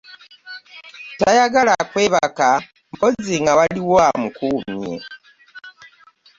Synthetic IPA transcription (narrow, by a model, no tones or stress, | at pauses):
tajaɡalakweβaka | mpod͡ziŋɡaβaliwoamukumjḛ